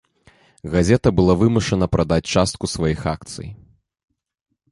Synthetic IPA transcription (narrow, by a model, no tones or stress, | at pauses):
ɣazʲɛt̪ɐbɨlˠavɨmuʂɐnɐpɾʔad̪at͡sʲt͡ʂast̪̚kusvajixak̚t̪sɨ̰j